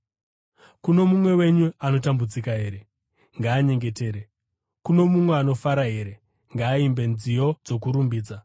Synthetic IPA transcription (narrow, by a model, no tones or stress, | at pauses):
kuno̞mumwe̞we̞ɲuano̞tambud͡zikaɦe̞ːɾe̞ | ŋɡaːɲe̞ŋɡe̞te̞ːɾe | kuno̞mumwe̞ano̞faɾaɦe̞ːɾe̞ | ŋɡaːimbe̞nd͡zijo̞d͡zo̞kuɾumbiːd͡za